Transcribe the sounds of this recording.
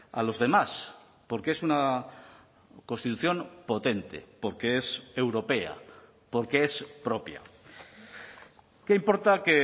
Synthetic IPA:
a̰lo̞zðe̞mas | po̞ɾkeesuna | ko̞nst̪it̪uθjo̞mpo̞t̪e̞nt̪e̞̰po̞ɾkeese̞wɾo̞pe̞a̰ | po̞ɾkeespɾo̞pja̰ | keimpo̞ɾt̪ake

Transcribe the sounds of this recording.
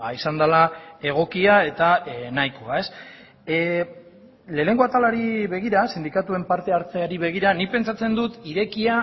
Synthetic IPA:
aisand̪alae̞ɣ̞o̞kiae̞t̪anajkoae̞s | le̞ːne̞ŋɡo̞at̪alaɾiβe̞ɣ̞iɾasind̪ikat̪ue̞mpaɾt̪e̞aɾt͡seaɾiβ̞e̞ɣ̞iɾanipe̞nt͡sat͡se̞nd̪ut̪iɾe̞kia

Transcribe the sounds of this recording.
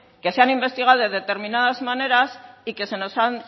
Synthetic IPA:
ke̞seanimbe̞st̪iɣ̞awðeðe̞t̪e̞ɾminað̞azmane̞ɾasike̞se̞no̞san

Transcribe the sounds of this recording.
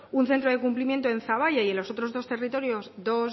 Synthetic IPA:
unθe̞nt̪ɾo̞ðe̞kumplimje̞nt̪oe̞nθaβ̞aʝaielo̞so̞t̪ɾo̞zðo̞st̪e̞rit̪o̞ɾjo̞zd̪o̞z

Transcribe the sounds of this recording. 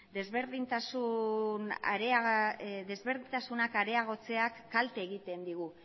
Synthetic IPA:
d̪e̞zβe̞ɾðint̪asuna̰ɾeaɣðe̞zβe̞ɾðiint̪asunakaɾe̞aɣ̞o̞t͡se̞akːalt̪eːɣ̞it̪e̞nd̪iɣ̞u

